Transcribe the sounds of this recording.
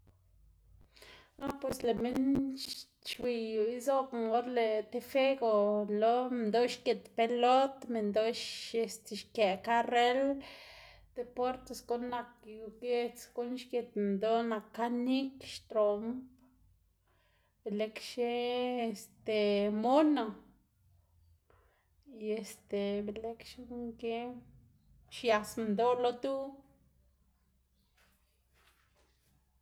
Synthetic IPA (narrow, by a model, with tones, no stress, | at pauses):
a˦pwe˨sle˨me˦n | t͡ʃwi˧ju˨i˦zo˦kŋo˦ɾle˨t̪e˧fe˦ɡo˨lo˦nd̪o˦ʃke˨t̪pe˧lo˦t̪me˨nd̪o˦ʃe˧st̪e˨ʃkje˨ka˦re˦l | d̪̥e˧po˦ɾt̪e˨sɡo˦nːa˨kju˨ɡe˧t͡sɡo˦nʃke˨t̪nd̪o˦na˨kːa˦ni˦kʃt̪ɾo˨mp | be˨le˧kʃe˦e˨st̪e˨mo˦no˨ | jje˨st̪e˨be˨le˦kʃe˦ŋke˦ | ʃja˨snd̪o˦lo˦t̪u˦